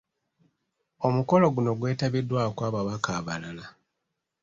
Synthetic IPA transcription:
omuko̞lo̞ɡuno̞ɡwe̞ːtaβidːwaːkwaːβaβakaːβalala

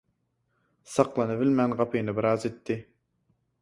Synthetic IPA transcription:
sɑqlˠɑnɨbɪlmɛnʁɑpʰɨjnɨbɪɾɑːzet̪ʰːɪ

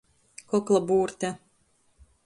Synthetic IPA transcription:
kɔklˠabuːɾt̪ʲa

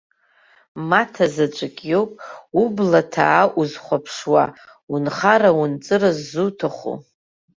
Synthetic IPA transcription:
matʰazat͡ʃʷʼakʲʼjowpʼublatʰaːʔuzχʷapʰʂwa̰unχaɾaunt͡sʼɨɾazːutʰaχṵ

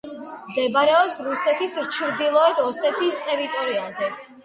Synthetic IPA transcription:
md̪ɛbɾɛɔpsɾusɛt̪ʰisɾt͡ʃʰɾd̪ilˠɔɛd̪ɔsɛt̪ʰist̪ʼɛɾit̪ʼɔɾiazɛ

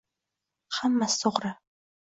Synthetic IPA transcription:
χɐmːɐsɨʁʷrɐ

